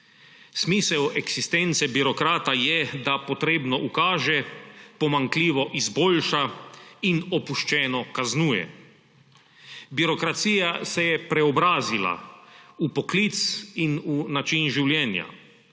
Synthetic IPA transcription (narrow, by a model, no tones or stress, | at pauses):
smiːsɛwɛksist̪ent̪sɛbiɾɔkɾaːt̪ajɛd̪apɔt̪ɾeːbnɔʔukaːʒɛpɔmaŋkliːʋɔʔizbolʃainɔpuʃt͡ʃɛːnɔkaznuːjɛ̰ | biɾɔkɾat̪siːjasɛjɛpɾɛɔbɾaːzila̰upɔklit̪sinunat͡ʃinʒiwljɛːnja̰